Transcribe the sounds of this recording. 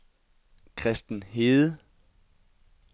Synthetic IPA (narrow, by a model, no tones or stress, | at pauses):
kʰʁɛsd̥n̩ɦeːð̩ˠə